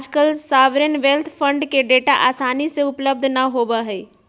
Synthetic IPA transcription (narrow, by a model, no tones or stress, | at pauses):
d͡ʒkəlsaːʋɾenʋelt̪ʰpʰə̃ɳɖkeɖeːʈaʔaːsaːniseʊpləb̚d̪ʱnɐɦoːbəɦeː